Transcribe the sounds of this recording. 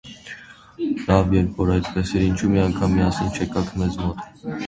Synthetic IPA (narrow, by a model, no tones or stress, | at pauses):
lɑvjɛɾpʰvɔɾɑjt̪pɛsɛɾint͡ʃʰumiɑŋkʰɑmːiɑsɛnt͡ʃʰɛkɑkʰmɛzmɔt̪